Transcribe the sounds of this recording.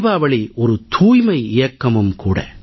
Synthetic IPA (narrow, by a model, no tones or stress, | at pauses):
ʋaːʋɐɭɪɔɾɯt̪ʰuːjmɐɪɪjɐkːɐmɯmkuːɽɐ̰